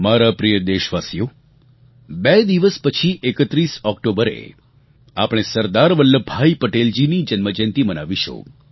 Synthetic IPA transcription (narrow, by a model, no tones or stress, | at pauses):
maɾapɾijəd̪eʃʋasijo | bed̪iʋəspət͡ʃʰiʔekət̪ɾisɔkʈobəɾḛ | a̰pɽ̃esəɾd̪aɾʋəlːəbʱajpəʈeld͡ʒinid͡ʒənməd͡ʒent̪imənaʋiʃo̰